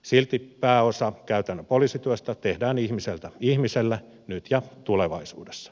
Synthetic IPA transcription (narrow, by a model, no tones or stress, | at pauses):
silt̪ipæːosɑkæyt̪ænːøpoliːsit̪yøst̪æt̪ehdæːnihmiselt̪æihmiselːæ | nyt̪jɑt̪uleʋɑisuːdesːɑ̥